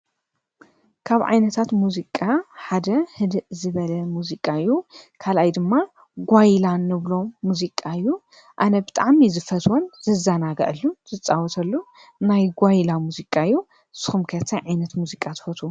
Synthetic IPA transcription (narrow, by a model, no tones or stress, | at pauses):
kʰaβʕa̰jnɐt̪ʰat̪muzikʼaħad̪ɐhɨd̪ɨʔzɨβɐlɐmuzikʼaɨjːukʰalajd̪ɨmːa | ɡʷajlanːɨβlo̞muzikʼːaɨjːu | ʔanɐbɨt̪ʼaʕmizɨfɐt̪ʰwonzɨzɐnaɡɐ̰ʔɨlːuz̥ɨt͡sʼawɔt̪ʰɐlːu | najɡʷajlamuzikʼaɨjːu | sɨ̥xumkʰɐt̪ʰɐʕajnɐt̪muzikʼat̪ʰɨ̥fɐt̪ʰu